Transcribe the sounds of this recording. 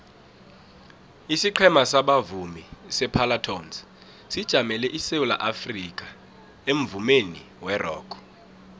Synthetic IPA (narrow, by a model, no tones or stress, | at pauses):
isiǃʰɛmasaɓavumisɛpʰalatʰɔns | sid̥ʒ̥ʱamɛlɛʔisewula̰ʔafrik̬ʼa | em̩vumenḭ | wɛrɔ̰ːkʰɔ̥